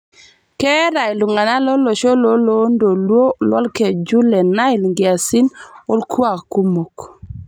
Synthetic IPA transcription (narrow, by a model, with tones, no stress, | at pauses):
kɛ˦ɾa˨ɪ˨lu˨ŋa˨na˦lɔ˦lo˨ʃo˦lo˦lo˨˦ndo˨lwo˦lwɔ̰˦lkɛ˨d͡ʒu˦lɛ˨na˦ɪ˨lŋɡɪ˨a˨si˦no˦lkwa˨kku˦mo˨k